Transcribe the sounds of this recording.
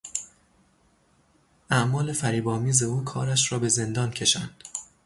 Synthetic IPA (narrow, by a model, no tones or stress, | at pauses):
æʔmɒːle̞fæɾiːbɒːmiːze̞uːkʰɒ̰ːɾæʃɾɒːbe̞ze̞nd̪ɒːncʰe̞ʃænd̪̥